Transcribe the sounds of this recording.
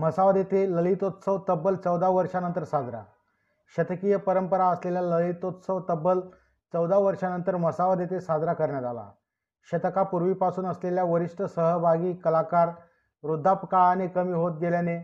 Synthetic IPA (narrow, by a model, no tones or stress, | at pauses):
məsaʋad̪et̪eləlit̪ot̪səʋt̪əbːəlt͡səwd̪ʱaʋəɾʂanənt̪əɾsad̪ɾa̰ | ɕət̪əkijəpəɾəmpəɾaəsleljaləɭit̪ot̪səʋt̪əbəl | t͡səwd̪ʱaʋəɾʂanənt̪əɾməsaʋəd̪et̪esad̪ɾakəɾɳjat̪ala̰ | ɕət̪əkapuɾʋiːpasuːnəsleljaʋəɾiʂʈəsəɦəbʱaɡiːkəlakaɾ | ɾud̪ʱːapkaanikəmiːɦot̪̚ɡeljane